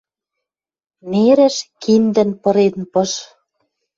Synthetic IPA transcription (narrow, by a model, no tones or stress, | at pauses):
neɾɘ̆ʃkind̪ɘ̆npɤ̆ɾenpɤ̆ʃ